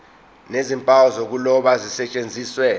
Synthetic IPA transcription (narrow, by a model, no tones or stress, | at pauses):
nezimpʼawɔzok̬ulɔɓazisɛt͡ʃʼend͡zʱiːswɛ